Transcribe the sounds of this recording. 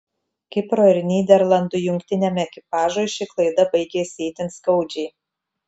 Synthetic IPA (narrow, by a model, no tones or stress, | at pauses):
kʲɪpɾoːɪɾʲnʲiːd̪ʲɛɾlˠɐnd̪ʊjʊŋʲkt̪ʲɪnʲɛmʲɛɛkʲɪpɑːʒoːʃʲiklˠɐɪd̪ɐbɐɪɡʲeːsʲɪiːt̪ʲɪnt̪skɐʊd͡ʒʲɛɪ